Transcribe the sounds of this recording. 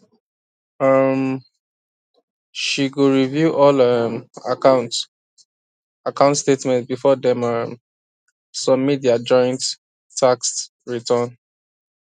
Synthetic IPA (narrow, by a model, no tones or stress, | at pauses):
ʌm | ʃiɡuɹivjuʔɔlʌmaaʊ̃nt | akãʊ̃ntstetmɛ̃ntbifɔdɛ̃mʌm | sɔ̃midiad͡ʒɔ̃ɪ̃ntːʰ | akst | ɹitʰə̃n